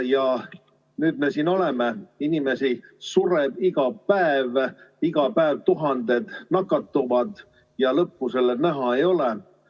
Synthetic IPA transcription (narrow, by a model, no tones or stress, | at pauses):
jɑ | nyːd̪me̞siːno̞le̞meinime̞sisuɾebiɡ̥ɑpæeviɡ̥ɑpæeːvt̪uɦɑnd̪̥e̞d̪̥nɑkːˑɑt̪ːuvɑd̪̥ | jɑlɤpːuse̞lːenæɦɑe̞jo̞le